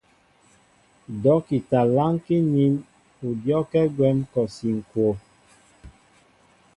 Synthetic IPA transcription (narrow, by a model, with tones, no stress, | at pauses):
dɔ˨˦ki˨ta˨la˦ŋ˦ki˦ni˦m | u˨djɔ˦kɛ˦ɡwɛ˦mkɔ˨si˨ŋ̩˨kwo˨